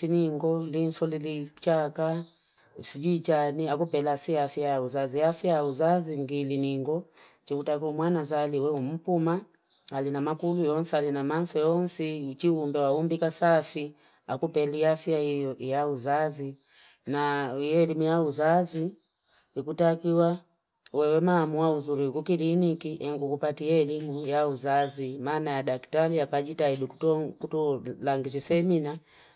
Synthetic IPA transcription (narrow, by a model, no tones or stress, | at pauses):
siniŋɡɔlinsɔlilit͡ʃaka | sid͡ʒit͡ʃaniakupɛlasiafjajauzaziafjajauzaziŋɡiliniŋɡɔ | t͡ʃikutakumwanazaliwɛum̩puma | alinamakulujɔnsɛalinamansɔjɔnsit͡ʃiumbɛwaumbikasafi | akupɛliafjaijɔjauzazi | najɛlimujauzazi | ikutakiwa | wɛwɛmaːmuauzulikukilinikiʔɛŋɡukupatijɛlimujauzazimaːnajadaki̥taliakad͡ʒitaidukɔkutɔlaŋɡit͡ʃisɛmina